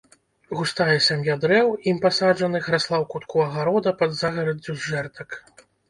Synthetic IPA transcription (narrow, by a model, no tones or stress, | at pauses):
ɣust̪ajɛsʲamʲjad̪ɾɛwimpasaʐɐnɨxɾaslˠawkut̪kuɐɣaɾɔd̪ɐpɐd̪zaɣɐɾɐd͡zʲːuzʐɛrt̪ɐk